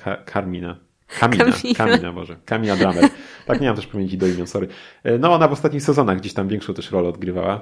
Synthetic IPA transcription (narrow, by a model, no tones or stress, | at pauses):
kʰakʰaɾmʲina | kʰamʲia̰kaina̰bɔ̰ʐɛkamʲinad̪ɾamɛɾt̪akɲɛmamt̪ɛʂpavʲɲeɲt͡ɕid̪ɔimʲjɔ̃w̃sɔɾɘnɔɔnavɔst̪at̪ɲixsɛzɔnaɣɡd͡ʑeɕt̪amvʲjɛ̃ŋkʂɔ̃w̃t̪ɛʂɾɔlɛɔd̪ɡɾɘva̰wa